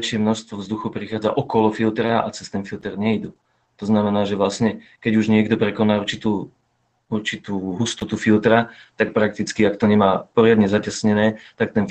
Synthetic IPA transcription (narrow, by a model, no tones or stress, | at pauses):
ʃɪɛmnɔʃst̪ʋɔvzd̪uxupɾixaːd͡za̰ʔɔkɔlɔfilt̪ɾaʔa̰t͡sɛst̪ɛnfilt̪ɛɾɲɛid̪u | t̪ɔznamɛnaːʒɛʋlasɲɛkɛɟuʒɲɪɛɡd̪ɔpɾɛkɔnaːuɾt͡ʃit̪uː | uɾt͡ʃit̪uːɦust̪ɔt̪ufilt̪ɾat̪ak̚pɾak̚t̪it͡skiakt̪ɔɲɛmaːpɔɾɪad̪ɲɛzacasɲɛnɛːt̪ak̚t̪ɛn